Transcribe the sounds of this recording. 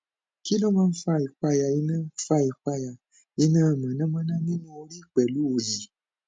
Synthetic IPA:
ki˦lo˦mãː˦˧n̩˦fa˧i˨k͡pa˧ja˨i˧nã˦˨˦fa˧i˨k͡pa˧ja˨ | i˧nã˦˨nã˨˦nã˦mã˦nã˦nĩ˦mũ˧o˧ɾi˦˨k͡pɛ˨lu˨˦o˨ji˨

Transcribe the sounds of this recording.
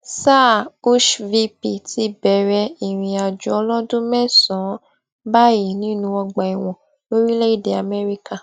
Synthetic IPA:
sa˦˨u˦ʃvi˦pi˨ti˧˦bɛ˨ɾɛ˧i˨ɾ̃ĩ˧a˨d͡ʒu˨˦ɔ˧lɔ˦dũ˦mɛ̃˦˨sɔ̃˨˦ | ba˦ji˦˨nĩ˦nũ˧˦ɔ˧ɡ͡ba˨i˨w̃ɔ̃˨ | lo˦ɾi˦lɛ˦i˦˨de˨a˨me˦ɾi˦ka˦˨

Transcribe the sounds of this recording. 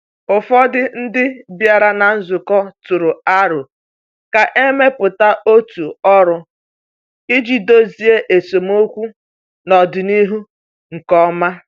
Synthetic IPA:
ʊ˨fɔ˦dɪ˦n̩˦dɪ˦bja˨ɾa˨na˨n̩˦zʊ˨kɔ˦tʊ˨ɾʊ˨a˦ɾʊ˨ | ka˨ʔe˦me˦pʊ˨ta˦ʔo˦tu˨ɔ˦ɾʊ˦ | i˦d͡ʒi˨do˦zi˦e˦ʔe˨so˨m˦o˦kʷu˦ | nɔ˨dʊ˨ni˦ɦu˦ | ŋ̩˨kɔ˦ma˦

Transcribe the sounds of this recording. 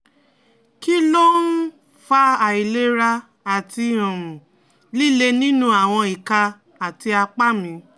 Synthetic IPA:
ki˦lo˦n̩˦ | fa˦a˨i˨le˦ɾa˧ | a˨ti˧˨ɾɔ̃˨ɾũ˨ | li˦˨le˧nĩ˦nũ˦a˨w̃ɔ̃˧i˨ka˧ | a˨ti˧a˧k͡pa˦mĩ˧

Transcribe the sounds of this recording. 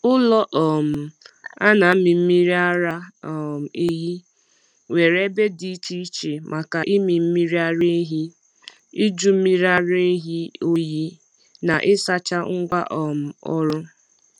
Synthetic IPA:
ʊ˦lɔ˦ʔɔ˨m̩˨a˦na˨˦mi˨m̩˦mi˦ɾi˦a˦ɾa˦ɔ˨m̩˨e˦ɦi˦ | we˨ɾe˦be˦di˦t͡ʃi˦i˦t͡ʃe˨mʔa˨ka˨ʔi˦mi˨m̩˦mi˦ɾi˦a˦ɾe˦e˦ɦi˦ | i˦d͡ʒu˦m̩˦mi˦ɾi˦a˦ɾe˦ɦi˦o˦ji˦ | na˨ʔɪ˦sa˦t͡ʃa˦ŋ̩˦ɡʷa˦ʔɔ˨m̩˨ɔ̰˦ɾʊ˦

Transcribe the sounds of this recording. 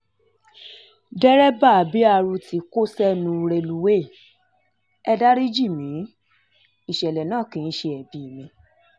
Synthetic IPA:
dɛ˦ɾɛ˦ba˦˨bi˦a˧ɾu˧ti˨˦ko˦sɛ˦nũ˧˦˧ɾe˧lu˧we˦˨ | ɛ˧da˦ɾi˦d͡ʒi˦˨mĩ˨˦ | i˨ʃɛ˨lɛ˨nãː˦˨kĩ˧n̩˦ʃe˧ɛ˨bi˨i˦˨mĩ˧˦

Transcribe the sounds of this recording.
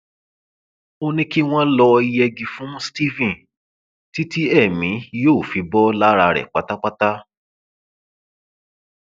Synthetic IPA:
o˦nĩ˦ki˦w̃ɔ̃˦lɔ˧i˧jɛ˧ɡi˧fũ˦sti˦vĩ˨ | ti˦ti˦ɛ˦˨mĩ˨˦joː˦˨fi˨˦bɔ˦la˦ɾa˧ɾɛ̰˨k͡pa˨˦ta˦k͡pa˦ta˦

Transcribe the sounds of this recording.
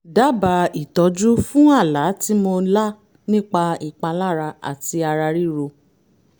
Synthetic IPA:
da˦ba˧i˨tɔ˨˧˦d͡ʒu˦fũ˦a˦˨la˨˦ti˦mo˧˦la˦ | nĩ˦k͡pa˧i˨k͡pa˧la˦ɾa˧a̰˨ti˧˦a˧ɾa˧ɾi˦ɾo˧

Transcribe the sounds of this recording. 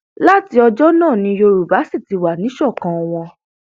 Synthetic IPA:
la˦ti˧˦ɔ˧d͡ʒɔ˦nãː˦˨nĩ˧jo˧ɾu˨ba˨˦si˦˨ti˨˦wa˨nĩ˨˦ʃɔ˦˨kã˧w̃ɔ̃˧

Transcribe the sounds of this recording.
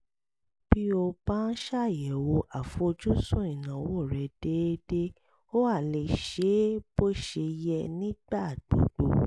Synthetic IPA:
b̥i˦o˧ba˦n̩˦ʃa˦˨jɛ˨wo˧ʔa˨fũ˨˦o˧d͡ʒu˦sũ˦i˨nã˨wo˦˨ɾɛ˨d̥e˦de˦ | o˦a˦˨le˧ʃe˨˦b̥o˦ʃe˧jɛ˧nĩ˦ɡ͡ba˦˨d̥o̰˨ɡ͡bo̰˨

